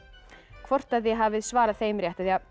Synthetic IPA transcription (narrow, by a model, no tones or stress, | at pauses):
kʰvɔr̥t̪aðjɛɦaːvɪðsvaːɾaðθeːjmɾjɛht̪aðja